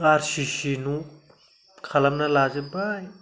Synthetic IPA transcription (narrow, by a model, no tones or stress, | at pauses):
aɾʃiʃinũ | kʰɐlɐmnalaːzibaj